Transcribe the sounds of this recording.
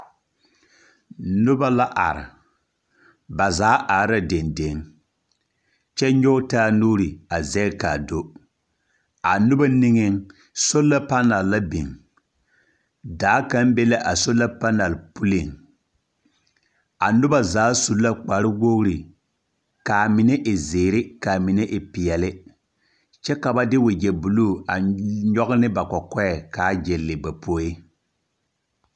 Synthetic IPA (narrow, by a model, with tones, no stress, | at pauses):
nʊ˦ba˦la˦ʔa̰˨ɾɪ̰˨ | ba˨zaː˨˦ʔa˨˦ɾa˦de˨nde˨˦ŋ | t͡ʃɛ˦ɲɔ˦taː˦nuː˦ɾi˨a˨zɛ˦lka̰˨do˦ | a˨nʊ˦ba˦nɪ˦ŋɪ˦ŋ | so˦la˦pa˦na˨lla˦bɪ̰˨ŋ | daː˨˦ka˦m˦bɛ˦la˦ʔa˨so˦la˦pa˦na˨lpu˦lɪ˨ŋ | a˨nʊ˦ba˦zaː˨˦su˨lːa˦k͡pa˨ɾɪ˦wo˦ɣɾi˨ | ka˨mɪ˨ne˦ʔɪ˨zeː˨ɾɪ˦ka˨mi˨ne˦ʔɪ˨pɪ˨jɛ˨lɪ˦ | t͡ʃɛ˦ka˨ba˦dɪ˦wʊ˨d͡ʒɛ˨bu˨luː˦˨a˨ɲɔ˦ɡɪ˦nɪ˦ba˨kɔ˨kɔ˦ɛ˨kaː˨˦d͡ʒɛ˨lːɪ˨ba˨po˦jɪ˦